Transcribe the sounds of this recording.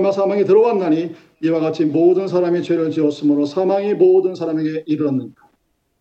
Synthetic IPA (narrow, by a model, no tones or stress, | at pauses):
masʰamaŋitɯɾʌwanːaɲi | iwaɡat͡ɕʰimoːdɯnsʰaɾamit͡ɕweɾɯɭt͡ɕiʌs͈ɯmɯɾosʰamaŋimodɯnsʰaɾame̞ɡe̞ʔiɾɯʌnːɯnda